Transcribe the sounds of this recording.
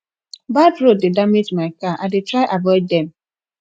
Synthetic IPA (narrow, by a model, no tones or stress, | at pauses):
batɾodɪdamed͡ʒmaɪkaʔadɪtɾaɪʔavɔɪddɛ̃m